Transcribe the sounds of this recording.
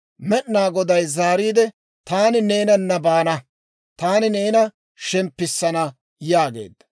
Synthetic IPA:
mɛɗnaːɡɔd̪ɐjzaːɾiːd̪ɛ | t̪aːnɪneːnɐnːɐbaːnɐ | t̪aːnɪne̞ːnɐ | ʃɛmpːɪsːɐnɐ | jaːɡe̞̰ːd̪ːɐ̥

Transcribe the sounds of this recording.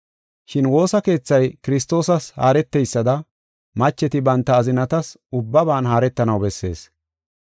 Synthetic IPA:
ʃɪnwo̞ːsɐke̞ːt͡sːɐjkɪɾɪst̪o̞ːsɐsha̰ːɾɛt̪ːɛjsːɐd̪ɐ | mɐt͡ʃːɛt̪ɪbɐnt̪ːɐːzɪnɐt̪ɐs | ʊbːɐbaːnɦaːɾɛt̪ːɐnɐwbɛsːe̞̰ːs

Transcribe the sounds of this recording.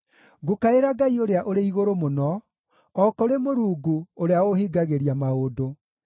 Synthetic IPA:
ɡokaeɾaɡaioɾeaʔoɾeiɣoɾomonɔ | ɔkoɾemoɾuːɡuoɾeaohiɡaɣeɾiamaodo

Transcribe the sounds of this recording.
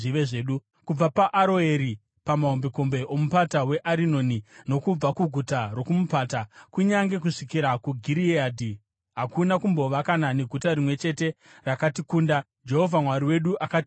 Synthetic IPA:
iʋeʐeːɗu | kub͡vapaʔːɾo̞eɾi | pamaɦombeko̞mbe̞ʔo̞mupatawe̞ʔaɾino̞ːnino̞kub͡vakuɡʱutaro̞kumupatakuɲaŋɡe̞kuʂikiɾakuɡʱiɾiaːdʱi | ɦakunakumbo̞ʋakananeɡʱutaɾimwe̞t͡ʃe̞te̞ | rakatikuːnda | d͡ʒe̞ɦo̞vʱamwaɾiwe̞ɗuʔakati̥

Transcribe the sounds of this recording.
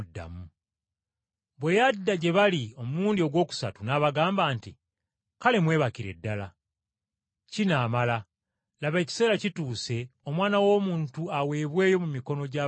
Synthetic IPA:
dːa̰mu | βwe̞jadːaɟe̞βalio̞muluːndio̞ɡwo̞ːku̥satunaβaɡaːmbaːnti | kale̞mwe̞ːβakiɾe̞̰dːala | cinaːmala | laβe̞ːci̥se̞ːɾacituːse̞o̞mwaːnawo̞ːmuːntuawe̞ːβwe̞ːjo̞mumiko̞no̞ɟa

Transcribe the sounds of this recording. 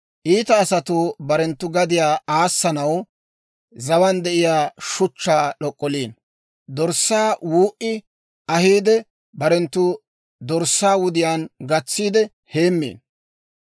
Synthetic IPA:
ʔiːt̪ɐːsɐt̪ʊbɐɾɛnt̪ːʊɡɐd̪ɪjaːaːsːɐnɐw | zɐwɐnd̪ɛʔɪjaːʃʊt͡ʃːaːɗɔkʼːɔliːn | d̪ɔɾsːaːwuːʔɪ | ɐhiːd̪ɛ | bɐɾɛnt̪ːʊ | d̪ɔɾsːaːwʊd̪ɪjaːnɡɐt͡sːiːd̪ɛ | heːmːḛːn

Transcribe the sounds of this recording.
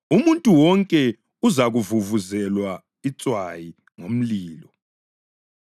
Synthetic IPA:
umuntʼuwɔŋkʼɛ | uzaɣuvuvuzɛlwa | it͡sʼwaji | ŋom̩liːlɔ

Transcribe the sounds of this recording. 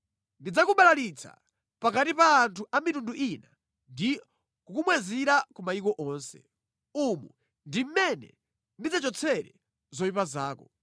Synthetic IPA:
ndid͡zakuɓalalit͡sʰa̰ | pakatipaːntʰuʔamitunduʔina | ndi | kukumwɛziɾakumaikɔʔɔːnsɛ̰ | umu | ndim̩mɛnɛ̰ | ndid͡zat͡ʃɔt͡sʰɛɾɛ | zɔipazaːkɔ

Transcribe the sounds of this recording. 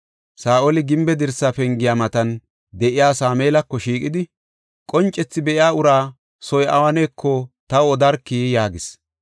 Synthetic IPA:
saːʔɔlɪɡɪmbɛd̪ɪɾsaːfɛŋɡɪjaːmɐt̪ɐn | d̪ɛʔɪjaːsaːmeːlɐkːɔʃiːkʼɪd̪ɪ | kʼɔnt͡ʃʼːɛt͡sːɪbɛʔɪjaːʊɾaː | sɔjʔɐ̰wɐneːkːɔt̪ɐwɔd̪ɐɾkːijaːɡɪs

